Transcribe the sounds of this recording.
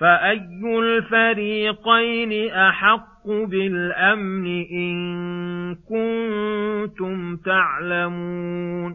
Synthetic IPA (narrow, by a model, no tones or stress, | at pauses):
faʔajːʊlfaɾiːqajnɪʔaħɑqːʊbɪlʔamnɪʔɪn | kʊn | t̪ʊmt̪aʕlamuːn